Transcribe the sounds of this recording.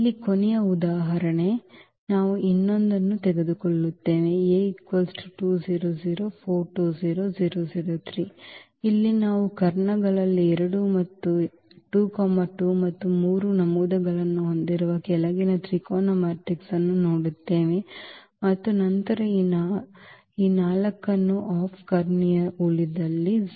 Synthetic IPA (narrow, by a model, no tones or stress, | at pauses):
ilːikonɛjɐud̪aːɦɐɾɐɳe̞ | naːʋuʔinːond̪ɐnːut̪ɛɡed̪ukoɭːut̪ːe̞ːʋeekʋɐlsʈʈuːd͡ʒiːɾoːziːɾoːpʰoːɾʈuːziːɾoːd͡ʒiːɾoːziːɾoːt̪ʰɾiː | ilːinaːʋukɐɾɳɐɡɐɭɐlːiɛɾɐɽumɐt̪ːu | ʈuːkɔːmaʈuːmɐt̪ːumuːɾunɐmuːd̪ɐɡɐɭɐnːuɦond̪iɾuʋɐkɛlɐɡinɐt̪ɾiːkɔːnɐmaːɾʈiksɐnːunoːɽut̪ːe̞ːʋe | mɐt̪ːunɐnt̪ɐɾɐiːn | iːnaːlɐkːɐnːuʔaːpʰkɐɾɳijɐuɭid̪ɐlːi